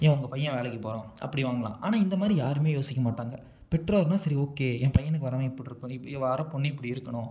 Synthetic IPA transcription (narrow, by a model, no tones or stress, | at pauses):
ẽːʊŋɡɐpɐjːɐ̃ʋeːlɐkːɯpoːɾõːʔɐ̰pːɐɽiʋaːŋɡɐɭã̰ːʔa̰ːnaːɪnd̪ɐmaːd̪ɾijaːɾɯmeːjoːsɪkʲːɐmaːʈːaːŋɡɐ̰ | pɛʈroːɾnãːsɐɾioːkeːɛ̃ːpɐjːɐnɯkːɯʋɐɾɐʋẽːɪpːɐɽɪɾɯkːʊ̃ɪɪʋaːɾɐ̃ːpɔɳːiɪpːɐɽiɪɾɯkːɐɳʊ̃